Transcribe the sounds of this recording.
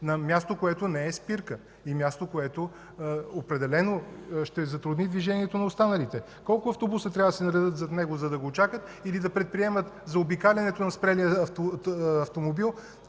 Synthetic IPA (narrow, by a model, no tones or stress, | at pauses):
nɐmʲjast̪okoɛt̪onɛɛspiɾkə | imʲjast̪okoɛt̪o | opɾɛd̪ɛlɛnoʃt̪ɛzɐt̪ɾʊd̪nid̪viʒɛniɛt̪onɐost̪anəlit̪ɛ | kɔlˠkʊɐft̪obusət̪ɾʲavɐd̪ɐsɛnɐɾɛd̪ɤt̪zɐt̪nɛɡozɐd̪ɐɡot͡ʃakət̪ | ilid̪ɐpɾɛt̪̚pɾiɛmət̪zɐobikalʲɛnɛt̪onɐspɾɛlijəfɐft̪omobilˠ